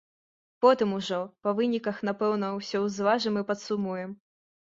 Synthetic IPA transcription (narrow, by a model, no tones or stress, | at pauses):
pɔt̪ɨmuʐɔpɐvɨnʲikɐxn̪apɛwn̪ɐwsʲɔwzvaʐɨmɨpɐt̪sumujɛm